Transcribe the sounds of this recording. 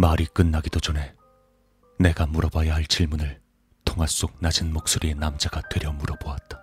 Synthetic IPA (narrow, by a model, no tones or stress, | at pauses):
maɾik͈ɯnːaɡidod͡ʑone̞ | ne̞ɡamuɾʌbajaɦaɭt͡ɕ͈iɭmunɯɭ | tʰoŋɦas͈ok̚nad͡ʑinmok̚s͈uɾie̞namd͡ʑaɡatwe̞ɾjʌmuɾʌboat̚t͈ḁ